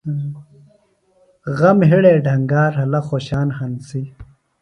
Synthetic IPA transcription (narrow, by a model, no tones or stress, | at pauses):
ɣɐmɦiɽeːɖʱɐŋɡaːɾɦɐlɐxoːɕaːnhɐnsi